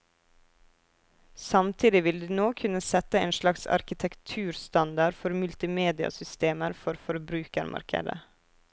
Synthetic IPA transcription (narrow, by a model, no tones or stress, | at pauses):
sɑmt̪ʰiːd̪ɪʋɪld̪ʉːnoːkʰʉnəsɛt̪əeːnʃlɑksɑ̰ɾkɪt̪ʰɛkt̪ʰʉːɾst̪ɑnd̪ɑɾfɔɾmʉlt̪ɪmeːd̪ɪɑ̰sʏst̪eːməɾfɔɾfɔɾbɾʉːkəɾmʔɑ̰ɾkʰə̰d̪ə̰